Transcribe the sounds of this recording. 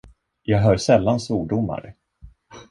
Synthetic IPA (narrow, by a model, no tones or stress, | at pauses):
jɑːɡɦœːɾsɛlːansvuːɖʊmːa̰ɾ